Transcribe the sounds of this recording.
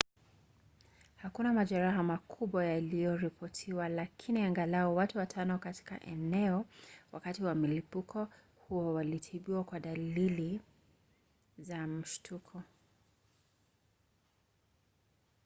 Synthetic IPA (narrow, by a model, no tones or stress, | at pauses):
hakunamaʄaɾaɦamakʰuɓwajalijɔɾipʰɔtʰiwalakʰiniaŋɡalaɔwatuwatʰanɔkati̥ka̰ʔɛnɛɔwakatiwamilipukʰɔ | huɔwalitʰiɓiwakwaɗalili | zam̩ʃtʰukʰɔ